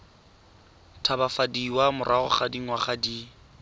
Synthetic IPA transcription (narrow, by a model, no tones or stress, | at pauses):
tʰabafadiwamʊrʔaɣʊ̰χadiŋ̩waχadi